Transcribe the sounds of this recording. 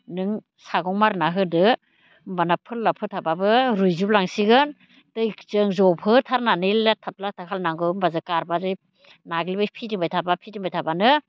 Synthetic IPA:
nɯŋ | saɡɔŋmaɾnaɦɯdɯ | mbanapʰɯlːapʰɯtʰababɯɾujzuplaŋsiɡɯn | tɯjkt͡ʃɯŋzɔpʰɯtʰaɾnanilːatʰat̚latʰakʰalnaŋɡɯmbazɯkaɾbaɾi | naɡlibɯjpʰidimbajtʰabapʰidimbajtʰabanɯ

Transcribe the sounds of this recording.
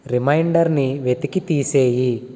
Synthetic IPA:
ɾimɐjɳɖɐɾniʋet̪ikit̪iːseːji

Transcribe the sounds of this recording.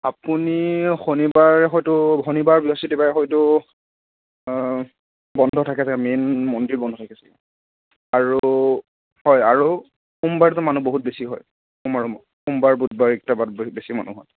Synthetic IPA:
a̰punixonibaɹɛxɔjtʊɦonibaɹbiɔsitibaɹɛxɔjtʊ | bɔndʱɔtʰakɛsakɛmenmɔndiɹbɔndʱɔtʰakɛsɛkɛ | aɹu | hɔjaɹu | xumbaɹɛtʊmanuboɦut̚besiɦɔ̰j | xumaɹu | xumbaɹbud̚baɹik̚tabatbbesima̰nṵɦɔ̰t

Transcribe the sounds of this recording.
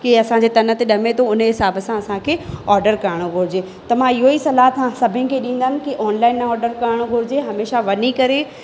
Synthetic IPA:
kiɐsãɲd͡ʑeːt̪ɐnə̆t̪eɗɐmet̪ʰoʊnəɦɪsaːbəsãɐsãkʰeːɔːɾɖəɾkɐɾəɽ̃oɡʱʊɾɪd͡ʑeː | t̪ɐʋ̤ãɪɦoisɐlaːt̪ʰãsɐbʱɪnɪ̆kʰeːɗĩːn̆d̪aːnɪ̆kiʔɔːnlaːɪnːɔːɾɖəɾkɐɾɽ̃oɡʱʊɾɪd͡ʑeɦɐmeːʃaʋɐnikɐɾe

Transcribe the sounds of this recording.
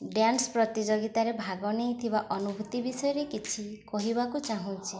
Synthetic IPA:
ɖjanspɾɔt̪id͡ʒɔɡit̪aɾebʱaɡɔnejt̪ʰibaʔɔnubʱut̪ibisɔjɔɾekit͡ʃʰikɔɦibakut͡ʃaɦũt͡ʃʰi

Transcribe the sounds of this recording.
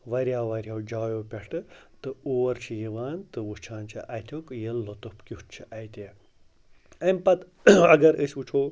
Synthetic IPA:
ʋɐɾjaːʋɐɾʲjawd͡ʒaːjoːpʲeʂʈɨt̪ɨoːɾt͡ʃʰijiʋaːnt̪ɨʋut͡ʃʰaːnt͡ʃʰiʔɐjt̪ʰʲokjelːot̪upkʲitt͡ʃʰiʔɐjt̪ʲe | ɐmpɐt̪ | ɐɡɐɾəsut͡ʃʰoː

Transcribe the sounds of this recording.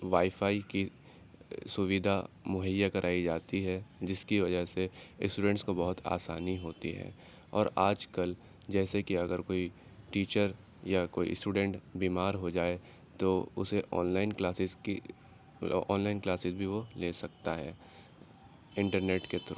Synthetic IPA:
ʋaːifaːiki | sʊʋid̪ʱamʊɦəjːakɐɾʔaːid͡ʒaːt̪iɦɛd͡ʒɪskiʋɐd͡ʒəɦseɪsʈuːɖə̃ɳʈskobɐɦʊt̪ʰa̰ːsa̰ːniɦoːt̪iɦɛ̰ː | ɔ̰ːɾaːd͡ʒkəl | d͡ʒɛːsekiɐɡəɾkoːi | ʈiːt͡ʃəɾ | jakoːḭsʈuːɖɛ̃ɳʈbiːmaːɾɦod͡ʒaːe | t̪oʊ̰seʔɔ̰ːnlaːɪnklaːsɪzki | ɔ̰ːnlaːɪnklaːsɪzbʱiʋoleːsɐk̚t̪aɦɛː | ɪ̃ɳʈəɾneːʈket̪ɐɾ

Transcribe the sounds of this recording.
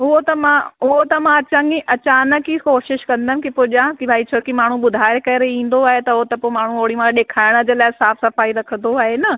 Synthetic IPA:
ʊɦot̪ɐmãʊɦot̪ɐmãɐt͡ɕãiʔɐt͡ɕaːnə̆kikoːʃɪʃkɐ̃nd̪əm̃̆kipoːʄãkibʱaːit͡ɕʰoɾkimaːɳ̤ũɓʊd̪ʱaːɾekɐɾeĩːn̆d̪oaːɦet̪ɐʊɦot̪ɐpoːmaːɳ̤uoːɽimãɗeːkʰaːɪɽ̃ə̆d͡ʑeːlaːɪsaːfsɐfaːiɾɐkʰə̃nd̪oaːɦenɐ

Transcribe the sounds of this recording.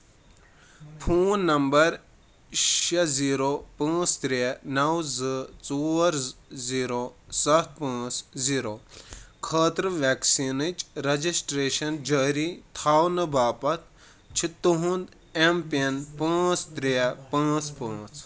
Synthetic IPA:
pʰuːnːɐmbɐɾ | ʃɐziːɾopɐ̃ːt͡st̪ɾenɐwzɨt͡soːɾziːɾosɐt̪̚ʰpɐ̃ːt͡sziːɾoːkʰɐːt̪ɾʋeksinɨt͡ʃɾɐd͡ʒisʈɾeːʃɐnd͡ʒɐːɾit̪ʰaːwnɨbaːpɐt̪̚ʰ | t͡ʃʰit̪ːuɦũnd̪ | empenpɐ̃ːt͡st̪ɾepɐ̃ːt͡spɐ̃ːt͡s

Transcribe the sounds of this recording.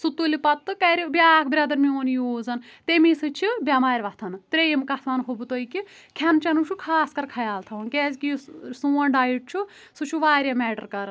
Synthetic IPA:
sut̪ːulipɐt̪ːɨkɐɾibjaːkʰbɾʲɐd̪ɐɾmioːnjoːzɐnt̪emisɨt͡ʃʰibʲjamaːɾʋɐt̪ʰɐnɨt̪ɾejmkɐt̪ʰʋaːnɦobt̪oːiki | kʲʰɐnt͡ʃɐnut͡ʃʰukʰaːskɐɾkʰɐjaːlt̪ʰɐʋɐnkʲeːzkijusuːɐnɖaːjiʈ̚t͡ʃʰu | sut͡ʃʰuʋaːɾʲjɐmɛːʈɐɾkɐɾ

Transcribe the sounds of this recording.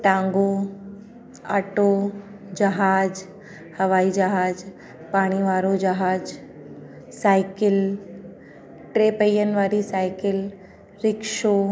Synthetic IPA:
ʈãːŋɡo | a̰ːʈoː | d͡ʒɐɦaːd͡ʒ | hɐʋaːid͡ʒaɦaːd͡ʒ | paːɽ̃iʋaːɾod͡ʒɐɦaːd͡ʒ | saːɪkɪl | ʈɾeːpəjːənʋaːɾisaːɪkɪl | ɾɪkʃoː

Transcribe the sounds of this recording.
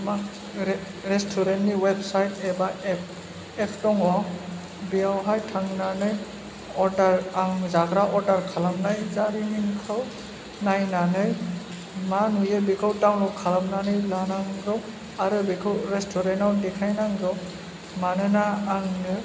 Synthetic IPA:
mak | ɾɛstʰɔɾentiwebsajtɛbaɛp̚ | ɛpʰtɔŋɔ | biawɦajtʰaŋnanɯj | ɔdaɾaŋzaɡɾaʔɔdaɾkʰalamnajzaɾiniŋkʰaw | najnanɯj | manujebikʰawtawnɔwkʰalamnanɯjlanaŋɾɔw | aɾɯbikʰɯwɾestʰɔɾɛntawdɛkʰajnaŋɡɾɔw | manɯnaːŋɯ

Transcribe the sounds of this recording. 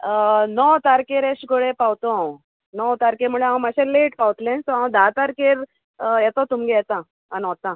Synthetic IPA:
nɔwt̪aɾkeɾesɡoɽepawt̪õ | nɔwt̪aɾkemuɭeãw̃maɕeleʈpawt̪lẽnt̪ɔãwd̪ʱat̪aɾkeɾ | jɛt̪ot̪umɡejɛt̪ã | anɔt̪ã

